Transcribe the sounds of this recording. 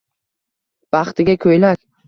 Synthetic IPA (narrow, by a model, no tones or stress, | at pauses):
b̥aχt̪ʰɪɡʲakʲʰɵjlakʲ